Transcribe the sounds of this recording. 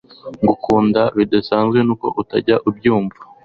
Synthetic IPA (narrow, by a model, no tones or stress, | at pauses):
ŋɡukuːndaβidasaːnzɡwe̞nuːko̞̰ʔutaɟaʔubɟuːɱva